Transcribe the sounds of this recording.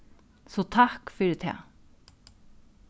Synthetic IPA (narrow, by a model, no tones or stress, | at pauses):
sɔt̪ʰakfʏɾt̪ʰɛ̰ː